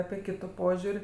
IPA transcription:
ˈɑːpʲɪ ˈkʲɪtʊ ˈpoːʒʲʊrʲ

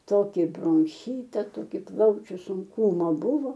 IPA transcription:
ˈtoːkʲɪ broːŋʲˈxʲiːtɐ ˈtoːkʲɪ ˈplˠɐʊt͡ʃʲʊ sʊŋˈkuːmɐ ˈbʊʋoː

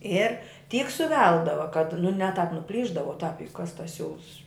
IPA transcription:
ˈɪr ˈtʲiːk sʊˈʋʲɛlˠdɐʋɐ kɐt nʊ nʲɛ tɑːp nʊˈpʲlʲiːʒdɐʋoː ʊ tɑːp jʊk kɐs tɐs ˈsʲuːlˠs

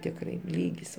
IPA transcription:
tʲɪkˈrɐɪ ˈlʲiːɡʲɪs

